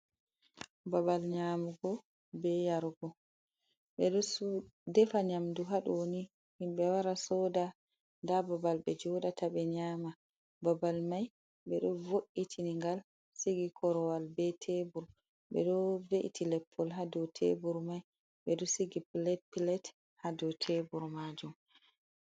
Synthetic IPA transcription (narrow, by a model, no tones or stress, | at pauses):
babalɲamuɡɔ | bɛjaɾɡɔ | ɓɛɗɔsudɛfaɲamduɦaɗɔwni | himɓɛwaɾasɔda | ndababalbɛd͡ʒɔɗatʰabɛɲaːma | babalmaj | ɓɛɗɔvoʔːitʰiniŋɡal | siɡikʰɔɾɔwalbɛtʰebuɾ | ɓɛ̰ɗɔveʔitʰilɛpʰːɔlɦadɔtʰḛbuɾmaj | ɓɛɗɔsiɡipilɛt̚pilɛt | hadɔtʰebuɾmad͡ʒum